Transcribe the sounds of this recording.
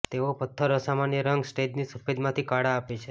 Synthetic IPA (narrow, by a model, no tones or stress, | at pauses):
t̪eopət̪ʰːəɾosamanjəɾəŋɡsʈed͡ʒnisufed̪mãt̪ʰikaɽaːpet͡ʃʰe